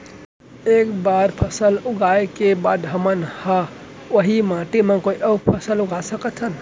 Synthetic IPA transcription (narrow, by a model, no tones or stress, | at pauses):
ekbaɾpʰəsəluɡaekebad̪ɦəmənha | oɦimãʈemẽkoiʔəpʰəsəluɡʱasəkət̪ʰən